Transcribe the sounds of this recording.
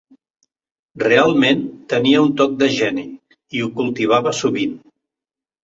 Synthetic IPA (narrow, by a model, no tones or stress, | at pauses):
realˠment̪əniəunt̪ɔk̚d̪əʒɛni | iukulˠt̪iβaβəsuβin